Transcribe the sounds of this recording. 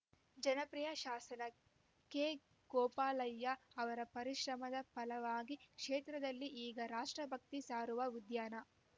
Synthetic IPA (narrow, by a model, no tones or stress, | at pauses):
d͡ʒɐnɐpɾijɐʃaːsɐnɐ | kːe | ɡ̥ɔːpaːlɐjːɐɐʋɐɾɐpɐɾiʃɾɐmɐd̪ɐpɐlɐʋaːɡikʂeːt̪ɾɐd̪ɐlːiʔiːɡɐɾaːʂʈɾɐbʱɐk̚t̪isaːɾuʋɐʋud̪jaːnɐ